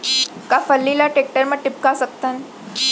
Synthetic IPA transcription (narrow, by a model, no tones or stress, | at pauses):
kafəlːilaʈek̚ʈəɾməʈip̚kasək̚t̪an